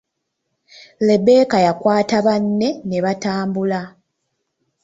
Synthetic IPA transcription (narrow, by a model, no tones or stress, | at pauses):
le̞be̞ːkajakwaːtaβanːe̞neβataːmbula